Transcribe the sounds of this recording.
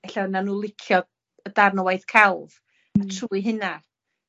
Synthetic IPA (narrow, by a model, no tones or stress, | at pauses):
ɛɬananuːlˠɪkʰjɔ | ədarnəwajðkʰalˠv | atʰruːiɦɨna